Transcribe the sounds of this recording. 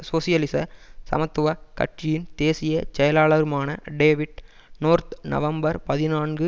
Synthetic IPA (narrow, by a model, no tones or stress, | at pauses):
soːsɪjɐlɪsɐsɐ̰mɐt̪ːɯʋɐkɐ̰ʈt͡ʃɪjɪnt̪eːsɪjɐt͡ʃɛjɐlaːɭɐɾɯmaːnɐɖeːʋɪʈ | noːɾt̪nɐ̰ʋɐmbɐɾpɐðɪnaːnɡɯ